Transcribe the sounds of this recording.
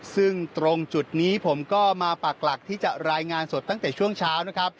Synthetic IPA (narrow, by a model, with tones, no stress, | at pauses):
sɯ˥˩ŋt̪ɾo˧ŋt͡ɕu˨˩t̪̚niː˦˥pʰo˩˦mkɔː˥˩maː˧pa˨˩k̚la˨˩k̚t̪ʰiː˥˩t͡ɕa˨˩ɾaː˧jŋaː˧nso˨˩t̪ːa˥˩t̪ɛː˨˩t͡ɕʰu˥˩əŋt͡ɕʰaː˦˥wna˦˥kʰa˦˥p̚